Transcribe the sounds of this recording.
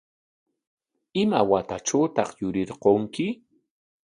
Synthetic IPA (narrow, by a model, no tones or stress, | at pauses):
ɪmawat̪aʈ͡ʂawt̪ɑχjʊɾɪɾqoŋkɪ